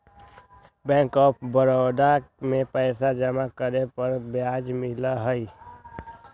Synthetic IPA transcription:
bɛ̃ːŋkɔːp̚ʰbəɾɔːd̪amẽpɛːsad͡ʒəmakəɾepəɾbjad͡ʒmɪlaɦəi

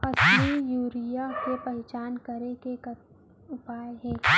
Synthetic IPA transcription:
ɐsmijuːɾijakepɛɦɛt͡ʃaːnkɐɾekek | ʊpaːeɦɛ̃ː

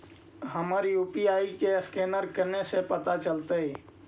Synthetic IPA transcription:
ɦəməɾjuːpiaikeskenəɾkəɾnesẽpət̪at͡ʃəlt̪əi

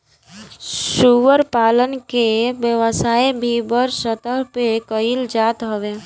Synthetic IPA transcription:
suʋəɾpalənkebjəʋəsaibʱibəɾsət̪əɾpekəild͡ʒat̪ɦəbe

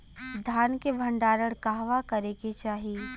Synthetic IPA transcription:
d̪ʱjaːnkebʱɐ̃ɳɖaːɾəɽ̃kaɦʋakɐɾeket͡ʃaːɦi

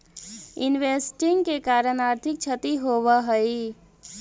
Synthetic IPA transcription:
ɪnʋeːsʈɪ̃ŋɡkekaːɾənaːɾt̪ʰɪk̚t͡ʃʰət̪iɦoːwaɦəi

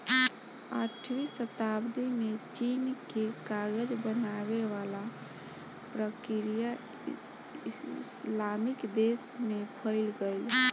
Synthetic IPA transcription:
a̰ʈʰwisət̪abd̪imet͡ʃinkekaɡəd͡ʒbənaβeʋala | pɾəkiɾija | islamikd̪esmepʰəɪlɡəɪl

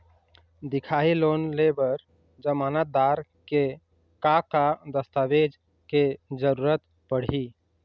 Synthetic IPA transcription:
d̪ikʰaɦilonlebəɾ | d͡ʒəmanət̪̚d̪aɾ | ke | kakad̪əst̪abed͡ʒ | ked͡ʒəɾuɾət̪ | pəɽ̤i

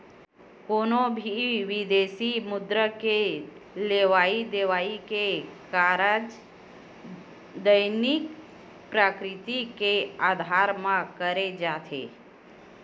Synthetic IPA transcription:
koːnobʱiʋid̪eːsimʊd̪ɾəkeleʋaːid̪eʋaːikekaɾəd͡ʒ | d̪əjnik | pɾaːkɾɪt̪ikeaːd̪ʱaɾmãkəɾed͡ʒaːt̪ʰḛː

